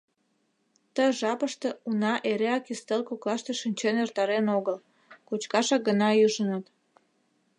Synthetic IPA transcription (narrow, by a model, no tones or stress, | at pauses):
t̪əʒɑpəʃt̪ĕunɑʔeɾeɑkist̪elkoklɑʃt̪eʃinʲt͡ɕenert̪ɑɾenoɣəl | kot͡ɕkɑʃɑk̚ɡənɑjyʒənət̪